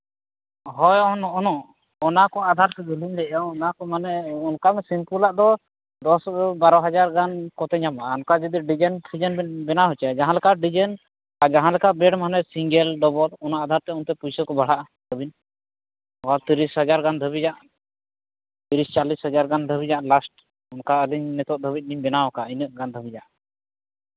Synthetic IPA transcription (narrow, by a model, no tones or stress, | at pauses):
ɦɔjɔnɔʔɔnɔ | ɔnakɔad̪ʱaɾt̪ɛd̪ʱuliɲlɛʔaɔnakɔmanɛɔnkamɛsimpulaʔd̪ɔ | d̪ɔsbaɾɔɦad͡ʒaɾɡankɔt̪ɛɲamaɔnkad͡ʒid̪iɖid͡ʒɛnsʰid͡ʒɛnbɛnaɦɔt͡ʃɛd͡ʒaɦãlɛkaɖid͡ʒɛn | ad͡ʒaɦãlɛkabɛɖmanɛsiŋɡɛlɖɔbɔlɔnaʔad̪ʱaɾt̪ɛunt̪ɛpujsəkɔbaɽ̤aʔa | d̪əbin | ɔkalt̪iɾisɦəd͡ʒaɾɡand̪ʱəbid͡ʒaʔ | t̪iɾist͡ʃalishəd͡ʒaɾɡand̪ʱəbid͡ʒaʔlasʈ̚ | unkaəd̪iɲnɛt̪ɔt̪̚d̪ʱəbit̪̚niɲbɛnawakainəʔɡand̪ʱəbid͡ʒaʔ